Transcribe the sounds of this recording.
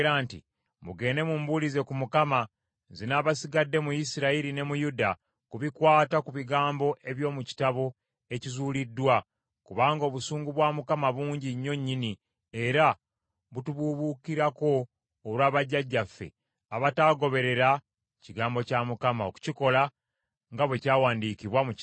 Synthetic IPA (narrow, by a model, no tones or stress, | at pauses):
ɾaːntḭ | muɡe̞ːne̞mumbulize̞kumukama | zinaːβasiɡadːe̞mujisiɾaiɾine̞mujuda | kuβikwaːtakuβiɡaːmbo̞ʔe̞βjo̞ːmuci̥taβo̞ | e̞cizuːlidːwa | kuβaːŋɡo̞ːβusuːŋɡuβwaːmukamaβuːɲɟiɲːo̞ɲːini | eɾa | βutuβuβukiɾako̞ː | lwaːβaɟːaɟːafːe̞̰ | aβataːɡo̞βe̞ɾe̞ɾa | ciɡaːmbo̞camukamao̰ku̥ciko̞la | ŋɡaβwe̞caːwaːndikiβwamuc